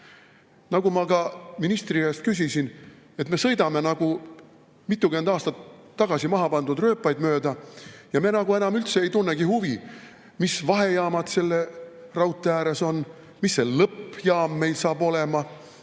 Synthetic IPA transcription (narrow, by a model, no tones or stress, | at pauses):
nɑɡumɑkɑminist̪riest̪̚kysisin | e̞t̪me̞sɤ̞jd̪ɑme̞nɑɡ̥u | mit̪ːˑuke̞nd̪ɑːst̪ɑt̪ː | ɑɡ̥ɑsimɑɦɑpɑnd̪ud̪rø̞ːpːˑɑjd̪mø̞ːd̪ɑjɑme̞nɑɡue̞nɑmylt̪se̞ejt̪unːeɡihuvi | misvɑɦe̞jɑːmɑt̪se̞lːerɑwt̪ːˑeæːɾeso̞n | misːe̞lɤpːjɑːmːe̞jlsɑːbo̞le̞mɑ